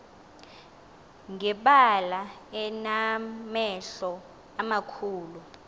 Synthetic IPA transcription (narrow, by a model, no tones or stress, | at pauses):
ŋɛɓalaɛnamɛɬɔ | amakʰuːlu